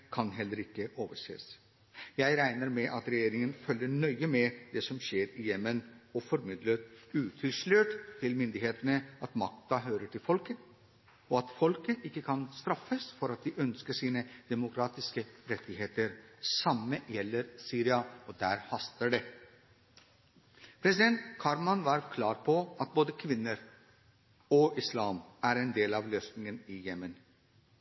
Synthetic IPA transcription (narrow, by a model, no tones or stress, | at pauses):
kʰɑnɦɛlːəɾɪkːəʔoːʋəʂḛːs | jæɪɾæɪnəɾmɛʔɑt̪ɾɛjeːɾɪŋənfœlːəɳœʏəmɛd̪ɛsɔmɕeːɾɪjɛmːənɔfɔɾmɪd̪ləɾʉːt̪ʰɪlʂløːʈt̪ʰːɪlmʏnd̪ɪheːt̪ənəɑt̪mɑk̚t̪ɑɦøːɾəʈʰɪlfɔlkə | ɔɑt̪fɔlkəʔɪkːəkʰɑnst̪ɾɑfːəsfɔɾɑt̪̚d̪ɪʔœnskəʂiːnəd̪̥ɛmʊkʰɾɑːt̪ɪskəɾɛt̪ːɪheːt̪əɾsɑməjɛlːəɾsyːɾɪɑɔd̪æːɾhɑst̪əɖɛ | pʰɾɛsɪd̪ɛnt̪kʰɑɾmɑnʋɑɾkʰlɑːɾpʰɔʔɑt̪̚boːd̪əkʰʋɪnːəɾ | ɔʔɪslɑːmæɾɛnd̪eːlɑʋløːsnɪŋənɪjɛmːən